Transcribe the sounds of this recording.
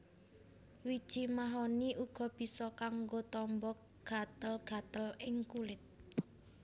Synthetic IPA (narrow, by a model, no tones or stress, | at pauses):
wid̥ʒ̥i̤maɦoniʔuɡ̥ɔ̤b̥i̤sɔkaŋɡot̪ɔmbɔk̚ | ɡ̥a̤t̪əlɡ̥ä̤t̪əlɪŋkulɪt̪̚